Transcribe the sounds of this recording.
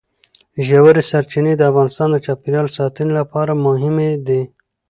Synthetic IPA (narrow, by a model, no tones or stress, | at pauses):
ʒawaɾesaɾt͡ʃined̪əafɣɑnɪst̪ɑnd̪ət͡ʃɑpiɾjɑlosɑt̪ənolapɑɾamʊɦɪmed̪e